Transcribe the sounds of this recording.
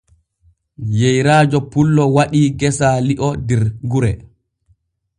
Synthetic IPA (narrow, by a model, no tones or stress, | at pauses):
jejɾaːd͡ʒɔpulːɔwaɗiːɡɛsaliʔɔdɛɾɡuɾɛ